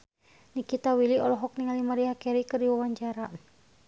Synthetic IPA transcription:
nikit̪awiliɔlɔɦɔk̚niŋalimaɾiakɛɾikɨrdiwawaɲt͡ʃaɾa

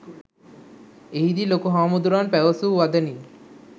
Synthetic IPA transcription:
eɦid̪ilokuɦaːmud̪uɾaːnpɛʋəsuʋad̪əni

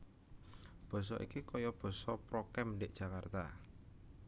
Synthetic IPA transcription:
b̥ɔ̤s̬ɔ̰ʔḭkikɔjɔb̥ɔ̤sɔpɾɔkɛmɖeʔd̥ʒ̥a̤kart̪a̰

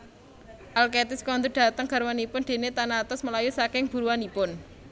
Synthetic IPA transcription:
ʔalket̪ɪskɔnd̪uɖ̥a̤t̪əŋɡ̥a̤ɾwanipʊnd̪̥e̤net̪anat̪ʊsməlajusakɪŋb̥uɾuwanipʊn

